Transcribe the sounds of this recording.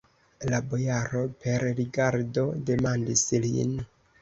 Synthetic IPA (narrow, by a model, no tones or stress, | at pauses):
labo̞jaɾo̞pe̞ɾɾiɡaɾdo̞de̞mandislḭn